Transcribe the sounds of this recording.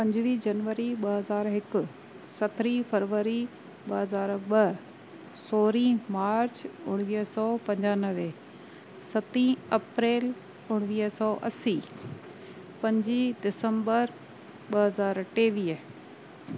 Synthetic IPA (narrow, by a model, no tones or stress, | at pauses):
pɐ̃ɲd͡ʑʋiːd͡ʑɐnʋəɾiɓɐɦɐzaːɾɦɪkʊ̆ | sɐt̪ʰɾifɐɾʋəɾi | ɓɐɦɐzaːɾɓɐ | soːɾimaːɾt͡ɕʊɽ̃ʋiːsɔːpɐ̃ɲd͡ʑaːnəʋe | sɐt̪ĩɐpɾeːl | ʊɽ̃ʋiːɦsɔːʔɐsi | pɐ̃ɲd͡ʑidɪsə̃mbəɾ | ɓɐɦɐzaːɾʈeːʋiːə